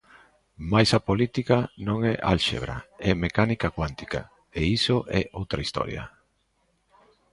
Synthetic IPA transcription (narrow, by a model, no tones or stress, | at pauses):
majsapolit̪ikanõŋɛʔalʃḛβɾa̰ɛmekanikakwant̪i̥ka̰ | eisoʔɛʔowt̪ɾaist̪ɔ̰ɾja̰